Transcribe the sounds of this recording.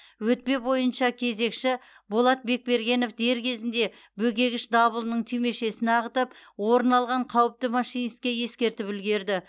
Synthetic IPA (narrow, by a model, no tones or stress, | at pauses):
wɵt̪̚pe̞bo̞jənʃɑkʲʰe̞ze̞kʃɪ | bolˠɑt̪̚be̞k̚be̞ɾɡʲe̞no̞fd̪e̞ɾkʲʰe̞zɪnd̪e̞ | bɵkʲe̞ɡʲɪʃd̪ɑbəlˠnəɴt̪ʰʏme̞ʃe̞sɪnɑʁət̪əpwo̞ɾənɑlˠʁɑɴqʰɑwəp̚t̪ɪmɑʃijnist̪kʲːeje̞skʲe̞ɾt̪ɪpɪlɡʲe̞ɾd̪ɪ